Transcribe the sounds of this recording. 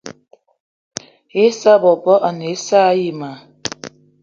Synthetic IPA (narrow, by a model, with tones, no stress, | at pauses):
e˦sa˦˨bɔ˨bɔ˦ʔa˨ne˨˦sa˦ji˨ma˨